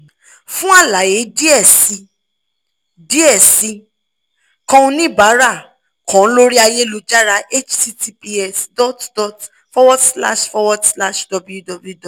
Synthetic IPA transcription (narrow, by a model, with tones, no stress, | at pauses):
fũ˦a˦˨la˨je˨˦di˦ɛ˦˨si˧ | di˦ɛ˦˨si˧ | kɔ̃˧ũ˧˦nĩ˦˨ba˨˦ɾa˦˨ | kɔ̃˨˦lo˦ɾi˦a˧je˦lo˧d͡ʒa˦ɾa˧ʔe˦t͡ʃti˦ti˧pi˧˦ɛ˦sdɔ˦tdɔ˨t | fɔ˦wɔ˦dsla̰˦ʃfɔ˧wɔ˦dsla˦ʃdɔ˧bu˦ju˦dɔ˨bju˦dɔ˨